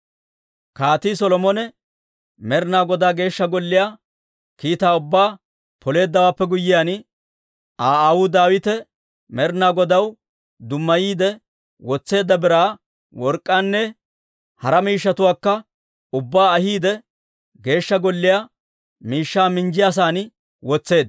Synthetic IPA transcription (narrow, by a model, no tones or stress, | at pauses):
kaːt̪is̬ɔlɔmɔnɛ | mɛɾnaːɡɔd̪aːɡe̞ːʃːɐɡɔlːɪjaː | kiːt̪aːʊbːaː | pɔle̞ːd̪ːɐwaːpːɛɡʊjːɪjaːn | ʔaːawʊd̪aːwɪt̪ɛ | mɛɾnaːɡɔd̪ɐw | d̪ʊmːɐjiːd̪ɛ | wɔt͡sːe̞ːd̪ːɐbɪɾaː | wɔɾkʼːaːnːɛ | hɐɾɐmiːʃːɐt̪ʊwaːkːɐ | ʊbːaːɐhiːd̪ɛ | ɡe̞ːʃːɐɡɔlːɪjaː | miːʃːaːmɪnd͡ʒɪjas̬aːn | wɔt͡sːe̞ːd̪ɐ